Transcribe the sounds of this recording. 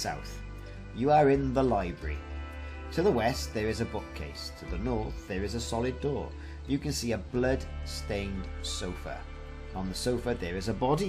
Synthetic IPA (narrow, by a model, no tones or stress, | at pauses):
sa̰ʊθ | jəəɹɪ̃nðəlaɪbɹə̰ɹḭ | tʰəðəwɛst̪ðəɹɪzəbʊkʰḛɪstʰəðənɔɹθðəɹɪzəsɑlɪdɔ̰ː | jɨkʰə̃nsiːəblʌd̥stẽɪ̃ndsoʊfə̰˞ | ə̃nðəsoʊfəðəɹɪzəbɑdi